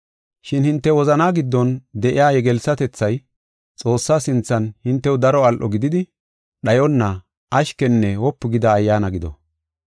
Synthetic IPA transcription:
ʃɪnhɪnt̪ːɛwɔzɐnaːɡɪd̪ːɔnd̪ɛʔɪjaːjɛɡɛlsɐt̪ɛt͡sːɐj | t͡sʼo̞ːsːaːsɪnt͡sːɐnhɪnt̪ːɛwd̪ɐɾɔɐlʔɔɡɪd̪ɪd̪ɪ | ɗɐjɔnːɐ | ʔɐʃkɛnːɛwɔpːɪɡɪd̪ɐːjːaːnɐɡɪd̪ɔ̰

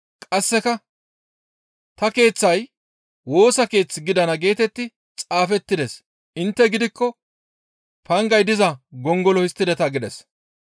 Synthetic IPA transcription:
kʼɐsːɛkɐ | t̪ɐke̞ːt͡sːɐj | wo̞ːsɐke̞ːt͡sːɪɡɪd̪ɐnɐɡe̞ːt̪ɛt̪ːɪ | t͡sʼaːfɛt̪ːɪd̪ɛs | ʔɪnt̪ːɛɡɪd̪ɪkːɔ | pɐŋɡɐjd̪ɪzɐɡɔŋɡɔlɔhɪst̪ːɪd̪ɛt̪ɐɡɪd̪ɛs

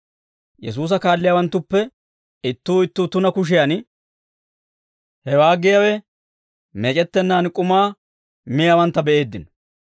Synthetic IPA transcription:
jɛs̬uːs̬ɐkaːlːɪjaːwɐnt̪ːʊpːɛ | ɪt̪ːuːɪt̪ːuːt̪ːʊnɐkʊʃ̬ɪjan | hɛwaːɡɪjawɛ | mɛːt͡ʃʼɛt̪ːɛnːaːnkʼʊmaː | mɪjawɐnt̪ːɐbɛʔe̞ːd̪ːɪnɔ̥

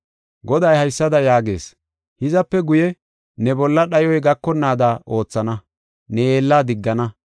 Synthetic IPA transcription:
ɡɔd̪ɐjhɐjsːɐd̪ɐjaːɡe̞̰ːs | hɪzɐpːɛɡʊjɛ | nɛbɔlːɐɗɐjɔjɡɐkːɔnːaːd̪aːʔo̞ːt͡sːɐnɐ | nɛeːlːaːd̪ɪɡːɐnɐ

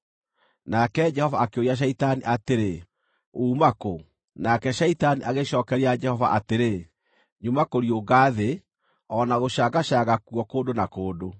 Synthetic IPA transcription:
nakɛd͡ʒɛhɔvaːkeoiaɕ̬ɛitaniʔateɾe | uːmako | nakɛʃɛitaniʔaɣeʃɔːkɛɾead͡ʒɛhɔva̰ʔateɾe | ɲumakoɾioɡaːðe | ɔnaɣoʃaɣaɕaɣakwɔkoːdonakoːdo

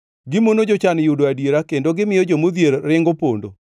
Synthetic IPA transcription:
ɡɪmonod͡ʒot͡ʃanjudoadjeɾakendoɡɪmɪjɔd͡ʒomod̪jeɾːɪŋɡopondo̰

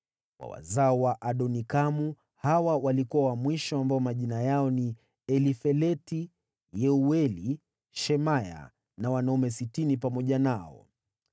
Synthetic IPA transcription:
wa̰wa̰zaɔwaʔaɗɔnikamu | hawawalikuawamwiʃɔambaɔmaʄinajaɔni | ɛlifɛlɛti | jɛuɛli | ʃɛmaja̰ | nawanaumɛsitinipamɔʄanaɔ̰

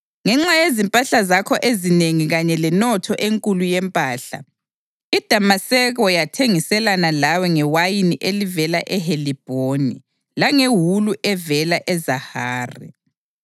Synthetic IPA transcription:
ŋɛŋ͡ǁajezimpʼaɬazakʰɔʔezineŋiɣaɲɛlɛnɔtʰɔʔeŋkʼulujɛmpʼaːɬa̰ | id̥ʱamasɛɣɔjatʰeŋisɛlanalawɛŋɛwajiniʔelivɛlaʔɛɦelib̥ʱonḭ | laŋeɦuluʔɛvɛlaʔɛzahaːrḭ

